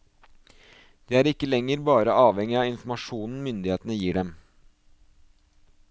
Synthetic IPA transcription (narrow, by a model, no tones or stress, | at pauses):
d̪̥eːæːɾɪkːəlɛŋːəɾbɑːɾəʔɑːʋɛŋɪɑːɪnfmɑʂuːnn̩mʏnd̪ɪheːt̪ənəjiːɖɛm